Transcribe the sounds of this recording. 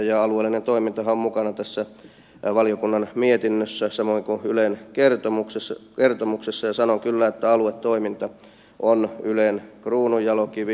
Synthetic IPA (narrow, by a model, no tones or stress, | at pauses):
jɑɑlueːlːinent̪oimint̪ɑhɑommukɑnɑt̪æsːæ | ʋɑlijokunːɑnmiet̪inːøsːæsɑmoiŋkuylenkert̪omukseskert̪omuksesːɑjɑsɑnoŋkylːæet̪ːæɑluet̪t̪oimint̪ɑ | ʔonylenkruːnujjɑlokiʋ